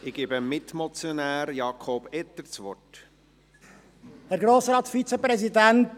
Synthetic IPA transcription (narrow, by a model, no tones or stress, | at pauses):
ɪɡ̥iːbəmɪtmɔt͡sjɔnæːɾjɑːkʰob̥ɛt̪ːəɾt͡sʋɔ̰rt | hɛɾɡɾoːsɾɑːt̪sfit͡sepɾɛz̬idænt